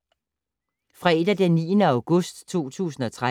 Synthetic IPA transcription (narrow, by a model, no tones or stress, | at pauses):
fʁɛed̥æd̥enːḭːənəäʊɡ̥ɔsd̥t͡sʰo̝̰ːt͡sʰṵːsn̩ɒ̽t͡sʰʁa